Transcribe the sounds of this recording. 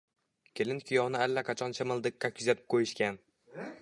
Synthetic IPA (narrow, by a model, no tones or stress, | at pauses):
kʲʰelɪnt̪kʰʲʊjɒwnɪalːaqʰɑt͡ʃʰɒnt͡ʃʰamɨlˠd̪ɪkʲːakʲʰʊzat̪ʰɪ̥p̚qʰojɪʃkʲan